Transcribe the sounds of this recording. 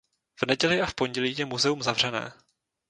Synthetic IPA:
v̥nɛɟɛlɪafpo̞ɲɟɛliːjɛmuzɛumzavr̝̥ɛnɛ̰ː

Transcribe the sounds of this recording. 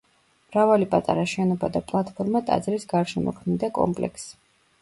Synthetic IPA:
mɾavalipʼat̪ʼa̰ɾaʃɛnɔbad̪apʼlˠat̪ʰpʰɔɾmat̪ʼa̰d̪zlisɡaɾʃɛmɔ̰kʰmid̪akʼɔ̰mpʼlɛ̰ks

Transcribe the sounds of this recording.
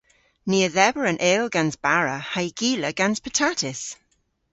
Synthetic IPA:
niːəðɛbəɹə̃nʔeːlˠɡãnzbaɹəhaɪɡ̥iːləɡ̥ãnz̥pʰətʰatɪs

